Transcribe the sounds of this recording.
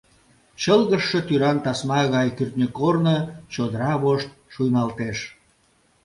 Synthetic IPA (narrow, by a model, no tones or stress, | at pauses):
t͡ɕəlɣəʃːet̪yɾɑnt̪ɑsmɑɣɑjkyrt̪nʲəkornət͡ɕod̪əɾɑβoʃt̪̚ʃujnɑlt̪eʃ